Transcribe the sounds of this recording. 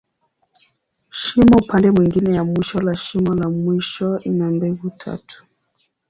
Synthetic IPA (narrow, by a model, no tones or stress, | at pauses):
ʃimɔupʰandɛmwiŋɡinɛjamwiʃɔlaʃimɔlamwiʃɔinambɛvutʰa̰tʰu̥